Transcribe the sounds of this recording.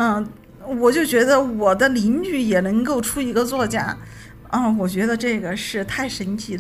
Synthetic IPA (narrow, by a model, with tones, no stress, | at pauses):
ə˥˧ | wɔ˨˩t͡ɕjo˥˩ʊt͡ɕɥɛ˧˥d̪ə˧wɔ˨˩d̪ə˦li˧˥nt͡ɕy˥˩jɛ˨˩nɤ˧˥ŋko˥˧ʊʈ͡ʂʰu˥i˧˥ɡə˧t͡swɔ˥˧t͡ɕja̰˥˩ | ə˥˩wɔ˨˩t͡ɕɥɛ˧˥d̪ə˧ʈ͡ʂɤ˥˩ɡə˩ʂɻ̩˥˧t̪ʰa˥˩ɪʂə˧˥nt̪ʰi˧˥d̪